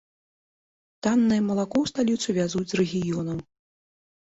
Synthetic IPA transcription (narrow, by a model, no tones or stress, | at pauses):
t̪anːɨjɐmɐlˠakɔwst̪alʲit̪suvʲazud͡zʲzrɛɣʲijɔnɐm